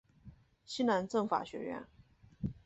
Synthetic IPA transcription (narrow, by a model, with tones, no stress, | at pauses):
ɕi˥na˧˥nʈ͡ʂɤ˥˩ŋfa̰˨˩ɕɥɛ̰˧˥ɥɛ̰˥˩n